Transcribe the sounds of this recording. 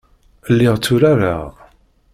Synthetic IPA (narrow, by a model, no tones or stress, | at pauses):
əlːɪʁt͡sːʊɾaɾa̰ʁ